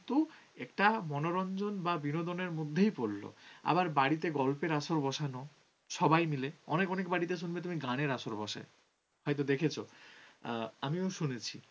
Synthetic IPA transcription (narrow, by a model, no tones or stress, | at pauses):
t̪u | ɛkʈamɔnoɾɔnd͡ʑonbabinod̪oneɾmod̪ʱːejpoɾːo̰a̰baɾbaɽit̪̬eɡɔlpeɾaʃoɾbɔʃanɔ | ʃɔbajmileɔnekɔnekbaɽit̪̬eʃunbet̪umiɡaɽ̃eɾaʃoɾbɔ̰ʃa̰e | hɔjt̪̬od̪ekʰet͡ɕʰo | amioʃunet͡ɕʰi